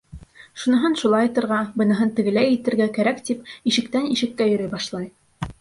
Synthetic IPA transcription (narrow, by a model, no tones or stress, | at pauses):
ʃunɤ̆ɦɤnʃulˠɑjɑt̪ɤ̆ɾʁɑbɤ̆nɤ̆ɦɤnt̪ɘ̆ɡɘ̆læjɘ̆t̪ɘ̆ɾɡækæɾækt̪ipiʃɘ̆kt̪æniʃɘ̆kːæjɵ̆ɾɘjbɑʃlˠɑj